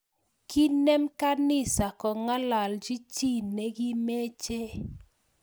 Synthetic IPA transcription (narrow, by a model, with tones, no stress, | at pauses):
ki˦nɛ˦mka˦nɪ˦sa˨kɔ˨ŋa˦la˨ld͡ʒi˦t͡ʃi˦ne˦ɡi˦me˦t͡ʃe˦